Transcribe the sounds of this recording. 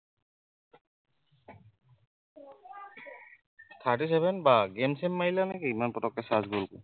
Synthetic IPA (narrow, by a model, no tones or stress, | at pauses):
tʰaɹtis̬ɛbʱɛnbaɡemsemːailanɛkiimanpɹɔtɔkɛsazɡolkʊ̰